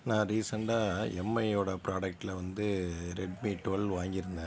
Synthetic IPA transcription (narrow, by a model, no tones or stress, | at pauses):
nãːɾiːsɐɳɖaːɛmːɐɪoːɽɐpɾaːɽɐk̚ʈːɪlɐʋɐnd̪ɯɾɛɖmiːʈːolʋaːŋɡɪɾɯnd̪ẽː